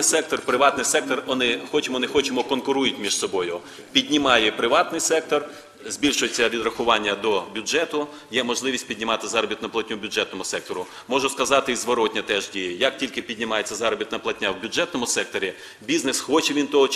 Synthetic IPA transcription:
sɛk̚t̪ɔrpɾɪʋɑt̪nɪjsɛk̚t̪ɔrʋɔnɪxɔt͡ʃɪmɔnɪxɔt͡ʃɪmɔkɔnkʊɾujɪtʲmʲiʃsɔbɔjʊ | pʲidʲnʲɪmɑjɛpɾɪʋɑt̪nɪjsɛk̚t̪ɔr | zʲbʲilʲʃʊjet͡sʲːɐʋʲid̪rɐxʊʋɑnʲːɐd̪ɔbʲʊd͡ʒɛt̪ʊ | jɛmɔʒlˠɪʋʲisʲtʲpʲidʲnʲɪmɑt̪ɪzɑɾɔbʲit̪nɐplˠɐtʲnʲʊbʲʊd͡ʒɛt̪nɔmʊsɛk̚t̪ɔɾʊ | mɔʒʊskɐzɑt̪ɪizʋɔɾɔtʲnʲɐt̪ɛʒdʲijɐjɐk̚tʲilʲkɪpʲidʲnʲɪmɑjet͡sʲːɐzɑɾɔbʲit̪nɐplˠɐtʲnʲawbʲʊd͡ʒɛt̪nɔmʊsɛk̚t̪ɔɾʲi | bʲiznɪsxɔt͡ʃɛʋʲint̪ɔɦɔ

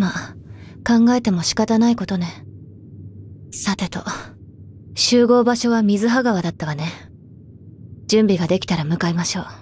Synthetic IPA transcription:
makãŋɡae̞t̪e̞mo̞ɕi̥kat̪anaiko̞t̪o̞ne̞ | sat̪e̞t̪o̞ | ɕɨːɡo̞ːbaɕo̞βamʲizɨɦaɡaβ̞ad̪at̪ːaβane | d͡ʑɨ̃mbʲiɡad̪e̞kʲi̥t̪aɾamɯ̟kaimaɕo̞ː

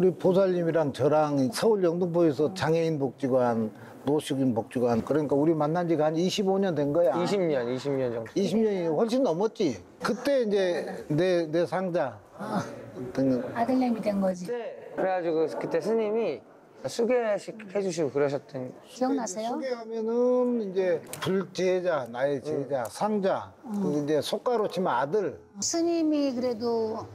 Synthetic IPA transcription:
uɾipos̬ʰaʎːimiɾant͡ɕʌɾaŋisʰʌuɭjʌŋdɯŋpʰoesʰʌt͡ɕaŋeinbok̚t͡ɕ͈iɡoɦanː | oɕʰiɡinpok̚t͡ɕ͈iɡoɦankɯɾʌɲik͈auɾimanːand͡ʑiɡaɦnd͡ʑiɕʰiboɲʌndwenɡʌjaiɕʰimɲʌniɕʰimɲʌnd͡ʑʌŋiɕʰimɲʌnid͡ʑɸʌɭɕ̬͈ʰinːʌmʌt̚t͡ɕ͈i | kɯt͈e̞ind͡ʑe̞nene̞sʰaŋd͡ʑa | tɯnadɯɭːamidwenɡʌd͡ʑiekɯɾeɡad͡ʑiɡokɯt͈e̞sʰɯɲimi | sʰuɡeɕʰik̚he̞d͡ʑuɕ̬ʰiɡokɯɾʌɕ̬ʰʌt̚t͈ʌn | iʌŋnasʰejouɡeɦamjʌnɯnind͡ʑe̞puɭt͡ɕeed͡ʑanaet͡ɕeɦed͡ʑasʰaŋd͡ʑakɯind͡ʑe̞sʰok͈aɾot͡ɕʰimaadɯɭ | sʰɯɲimikɯɾe̞do

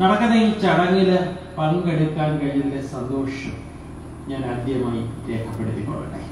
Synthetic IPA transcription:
nɐɽɐkːɐnːeit͡ɕɐɽɐŋːil | pɐnkɐɽik̪ːaːnkɐɻijund̪esɐnd̪o̞ːʂɐm | ɲaːnɐd̪ʱjɐmaːjiɾe̞ːkʰɐpːe̞ɽut̪ːipːo̰ːɭṵɳɖḛ

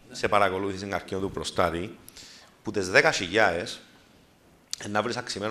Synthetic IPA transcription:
sepaɾako̞luθisiŋɡaɾkint̪upɾost̪at̪i | put̪e̞zðekaʃiʝaes | enːavɾisaksimen

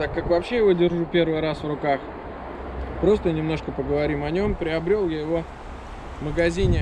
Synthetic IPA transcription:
t̪akːakvɐpɕːe̞jɪvo̞dʲɪrʐupʲe̞rvɨjɾasvrʊkax | pɾo̞st̪ənʲɪmno̞ʂkəpəɡəvɐɾʲimɐnʲo̞mpɾʲɪɐbɾʲolˠjajɪvo̞ | məɡɐzʲinʲɪ

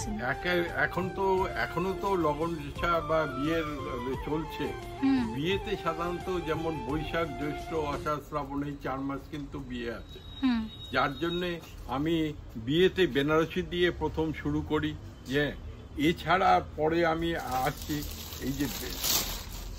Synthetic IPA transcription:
ɛkeɛ̰kʰont̪oɛ̰kʰonot̪olɔɡon | ʃababieɾ | t͡ɕolt͡ɕʰe | biet̪eʃad̪ʱanot̪od͡ʑɛmonbojʃak̚d̪ɾeʃʈoaʃasɾabonejt͡ɕaɾmaɾʃkint̪ubieat͡ɕʰe | d͡ʑaɾd͡ʑonːe | amibiet̪ebenaɾoʃid̪iepɾot̪ʰomʃuɾukoɾi | d͡ʑe | et͡ɕʰaɽapɔɽeamiaʃt͡ɕʰi | ejd͡ʑebbe

